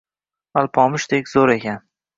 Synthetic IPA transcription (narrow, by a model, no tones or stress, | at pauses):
alˠpʰɒmʊʃd̪ekʲzoɾekʲʰan